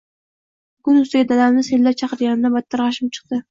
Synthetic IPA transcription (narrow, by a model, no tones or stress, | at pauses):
kʊnʊst̪ɪɡʲad̪ad̪amnɪsellːap̚t͡ʃʰɑqɨɾɡʲanɪd̪abɑt̪ʰːɑɾʁɑʃɪp̚t͡ʃʰɨ̥qd̪ɪ